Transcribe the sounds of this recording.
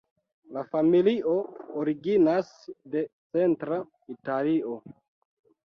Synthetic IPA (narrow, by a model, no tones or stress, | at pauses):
lafamiliʔo̞oɾiɡinas | de̞t͡se̞ntɾa | italio̞